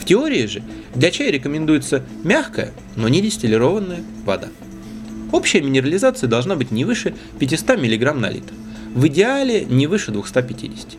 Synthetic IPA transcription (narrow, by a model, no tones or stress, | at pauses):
ftʲɪo̞ɾʲɪːʐɨ | d̪lʲɐt͡ɕæjɾʲɪkəmʲɪnd̪ujɪt̪sə | mʲaxkəjə̰ | no̞nʲɪdʲɪsʲt̪ʲɪlʲɪɾo̞vənːəjə | vɐ̰d̪a̰ | o̞pɕːɪjəmʲɪnʲɪɾəlʲɪzat̪sɨjəd̪ɐlˠʐnabɨtʲnʲɪvɨʂɨ | pʲɪtʲɪst̪amʲɪlʲɪɡɾamnɐ̰lʲḭt̪ | vɨdʲɪalʲɪnʲɪvɨʂɨd̪vʊxst̪apʲɪtʲḭdʲɪsʲɪ̥tʲɪ̥